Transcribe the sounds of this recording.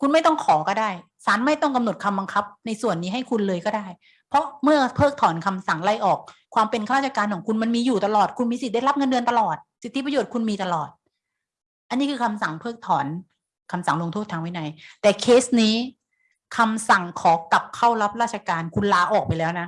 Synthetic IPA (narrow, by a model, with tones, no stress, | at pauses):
kʰu˧nma˥˩jt̪ɔ˥˩ŋkʰɔː˩˦kɔː˥˩daː˥˩j | saː˩˦nma˥˩jt̪ɔ˥˩ŋka˧mno˨˩t̪̚kʰa˧mba˧ŋkʰa˦˥p̚na˧jsu˨˩ənːiː˦˥ɦa˥˩jkʰu˧nlɤː˧jkɔː˥˩daː˥˩j | pʰɔ˦˥mɯ˥˩ɐpʰɤː˥˩k̚t̪ʰɔː˩˦nkʰa˧msa˨˩ŋla˧˩jʔɔː˨˩k̚ʰwaː˧mpe˧nka˧˥˩ɾaː˥˩a˧kaː˧nkʰɔː˩˦ŋkʰu˧nma˧nmiː˧juː˨˩t̪a˧lɔː˨˩t̪̚kʰu˧nmiː˧si˨˩da˥˩jla˦˥p̚ŋɤ˧ndɯ˧ənt̪a˧lɔː˨˩t̪̚si˨˩t̪ʰːi˦˥pa˧joː˨˩t̪̚kʰu˧nmiː˧t̪a˧lɔː˨˩t̪̚ | ʔa˧nːiː˦˥kʰɯː˧kʰa˧msa˨˩ŋpʰɤː˥˩k̚t̪ʰɔː˩˦n | kʰa˧msa˨˩˦ŋlo˧ŋt̪ʰo˥˩t̪ʰaː˧ŋwa˦˥jna˧˩jt̪ɛː˨˩kʰeː˦˥sniː˦˥ | kʰa˧msa˨˩ŋkʰɔː˩˦ka˨˩p̚kʰa˥˩wla˦˥p̚ɾaː˥˩t̪̚ʰa˧kaː˧nkʰu˧nlaː˧ʔɔː˨˩k̚pa˧jlɛː˦˥wna˦˥